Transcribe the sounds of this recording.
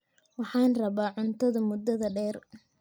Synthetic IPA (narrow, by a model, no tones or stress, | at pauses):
wɑħɑːnrɐβaːʕʊnt̪ʰɐðɐmʊd̪ɐðɐɖɛːr